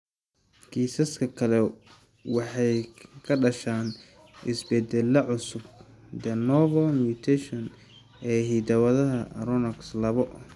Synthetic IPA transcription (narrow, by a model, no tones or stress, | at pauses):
kʰiːsɐskʰɐkʰɐlɛ | wɑħɑjkʰɐɖɐʃaːn | ɪsbɛd̪ɛlːɐʕʊsʊb | d̪ɛnɔvɔmjuːt̪ʰɛʃɔn | ɛːɦiːd̪ɐwɐðɐɦɐɾɔnɐkslɐβɔ